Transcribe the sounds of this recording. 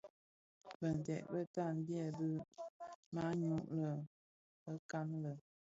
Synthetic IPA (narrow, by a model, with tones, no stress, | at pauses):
bə˨n˨tɛ̰˨ʔbə˦ta˦˨n̩˦bjɛ˦˨bɨ˦ | ma˦ɲu˦ʔlə˨ | bə˦ka˦nlə˨